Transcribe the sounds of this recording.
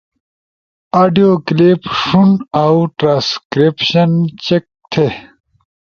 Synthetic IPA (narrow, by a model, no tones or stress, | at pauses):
aːɖijoklipʂunawʈɾãːskɾipɕɐnt͡ɕek̚t̪ʰe